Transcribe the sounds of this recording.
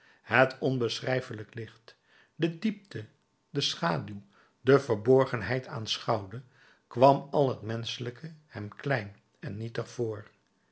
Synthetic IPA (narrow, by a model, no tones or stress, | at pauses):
hətʰɔnbəsrɛjfələklɪχt | dədip̚tʰə | dəsχaːdyw | dəvəɹbɔɹχənɦɛjtʰa̰ːnsχɑwdə | kʋɑmɑlˠɦətmɛnsələkʰəhɛmklɛjn | ɛnːitəχv̥ʊːɹ